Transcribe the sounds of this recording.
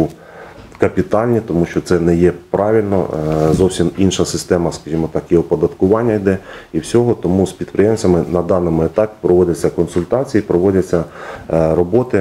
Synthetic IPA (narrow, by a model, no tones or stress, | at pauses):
kɐpʲit̪ɑlʲnʲit̪ɔmuʃt͡ʃɔt̪sɛnɛjɛpɾɑʋʲilʲnɔ̰zɔwsʲiminʃɐsɪst̪ɛmɐskɐʒimɔt̪ɑkjɔɦɔpɔd̪ɐt̪kʊʋɑnʲːɐjd̪ɛiwsʲɔɦɔt̪ɔmuspʲid̪pɾɪjɛmt͡sʲɐmɪnɐd̪ɑnɔmʊet̪ɑpʲi̥pɾɔʋɔdʲɐt͡sʲːɐkɔnsʊlʲt̪ɑt͡sʲijiipɾɔʋɔdʲɐt͡sʲːɐ | ɾɔbɔt̪ɪ